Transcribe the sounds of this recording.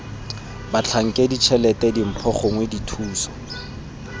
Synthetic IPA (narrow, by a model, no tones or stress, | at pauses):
bat͡ɬʰaŋ̩kʼedit͡ʃʰɛlɛtʼɛdim̩pʰɔχɔŋweditʰuːsɔ̥